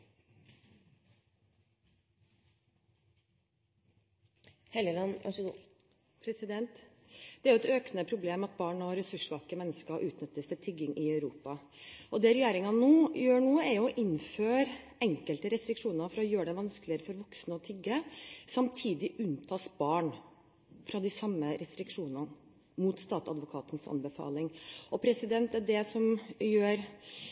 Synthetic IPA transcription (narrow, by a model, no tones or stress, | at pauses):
hɛləlɑnɑ̰ʂəɡ̪u | pʰɾɛsɪd̪ɛnt̪ | d̪̥ɛæɾjʊɛt̪øːknəpʰɾʊbleːmɑt̪̚bɑːɳɔɾɛsʉʂʋɑlkəmɛnːəskəʔʉːt̪nʏt̪ːəst̪ʰɪlt̪ʰɪɡɪŋʔɪœʉɾuːpɑ | ʔɔd̪ɛːɾɛjeːɾɪŋɑnuːjøːɳuːəæɾjʊɔʔɪnføːɾ | ɛŋkəlt̪əɾɛst̪ɾɪkʂuːnəɾfɔɾɑɔjøːəɖɛʋɑnsklɪəɾəfɔɾʋɔksnəɔt̪ʰɪɡːəsɑmt̪ʰiːd̪ɪʔʉnt̪ʰɑːsbɑːɳ | fɾɑd̪ɪsɑmːəɾɛst̪ɾɪkʂuːnən | mut̪st̪ɑːt̪ɑd̪ʋʊkʰɑːt̪ənsɑ̰nbəfɑ̰ːlɪŋʔɔpʰɾɛsɪd̪ɛnt̪ɛɖɛsɔmjøːɾ